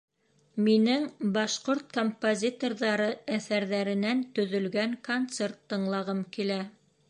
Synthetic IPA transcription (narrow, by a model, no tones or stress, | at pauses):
minɘŋbɑʃqoɾt̪̚kompozʲit̪orðɑɾɤæθæɾðæɾɘ̆nænt̪ɵ̆ðɵ̆lɡæŋkont̪sert̪ːɤ̆ɴlˠɑʁɤmkilæ